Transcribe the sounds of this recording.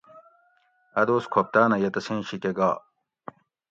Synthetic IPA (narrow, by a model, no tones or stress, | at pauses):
ɐd̪oːskʰop̚t̪aːnɐjɐt̪ɐsẽːɕikeɡaː